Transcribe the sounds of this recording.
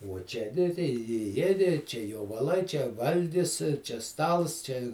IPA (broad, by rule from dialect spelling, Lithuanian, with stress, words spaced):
uɔ ˈt͡ʃʲɛ nʲɪ tɐɪ ɪ ˈjiɛdʲɪ t͡ʃʲɛ joːʋɐˈlˠɐɪ t͡ʃʲɛ ˈʋɐlʲɡʲɪs t͡ʃʲɛ ˈstɐlˠs ˈt͡ʃʲɛ